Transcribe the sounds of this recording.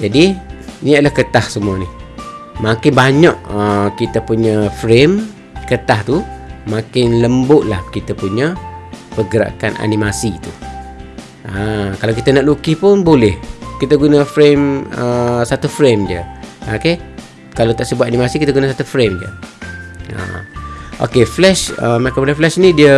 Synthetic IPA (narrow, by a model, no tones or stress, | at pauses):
d͡ʒadiniaʔlahkət̪ahsəmuanihmakɪnbaɲaʔəkit̪əpuɲəfɾem | kət̪aht̪umakɪnləmbʊʔlahkit̪əpuɲəpəɡəɾa̰ka̰na̰nimasit̪u | akalawkit̪anaʔlukipʊnbolɛhkit̪əɡunəfɾeməsat̪ufɾemdiə̰a̰ke | kalat̪aʔsəbuat̪ʔanimasikit̪aɡunasat̪ufɾemdiə̰ | ə̰ʔo̰keflɛʃəmakobolɛhflɛʃnidiə